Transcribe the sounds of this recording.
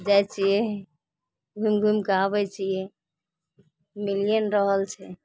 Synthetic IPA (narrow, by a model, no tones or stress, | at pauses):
d͡ʒajt͡ʃʰijɛ | ɡʱumɡʱumkaβɛt͡ʃʰijɛ | milijənɾəɦəlt͡ʃʰɛ